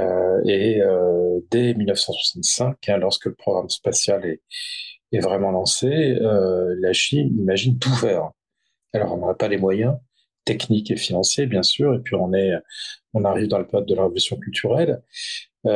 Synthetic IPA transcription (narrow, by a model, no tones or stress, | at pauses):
øeød̪ɛmilnəfsɑ̃swḁsɑ̃t̪sɛ̃kʰɛ̃lɔʁskələpχɔɡʁamspasjalɛː | vʁɛmɑ̃lɑ̃seølaʃinimaʒint̪ufɛːʁ | alɔ̰ʁɔ̃nɔʁapalemwajɛ̃ | t̪ɛknikefinɑ̃sjebjɛ̃syʁepɥiɔ̃nɛɔ̃naʁivd̪ɑ̃ləpɔt̪̚d̪əlaʁevɔlysjɔ̃kʲylt̪ʰyʁɛl